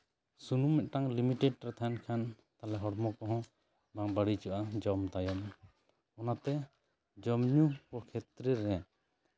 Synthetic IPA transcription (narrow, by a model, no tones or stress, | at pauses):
sunumɛʔ̪̚ʈaŋlimiʈɛɖ̚ɾɛt̪ʰaankʰan | t̪alɛɦɔɽmɔkɔɦɔ̃ | baŋbaɽit͡ʃɔʔad͡ʒɔmt̪ajɔm | ɔnat̪ɛ | d͡ʒɔmɲukɔkʰɛt̪ɾɛɾɛ